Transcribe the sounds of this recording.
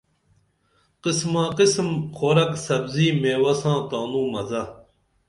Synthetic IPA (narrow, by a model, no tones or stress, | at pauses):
qismãːqismxʰoːɾɐksɐbziːmeːwɐsãːkaːnũːmɐzɐ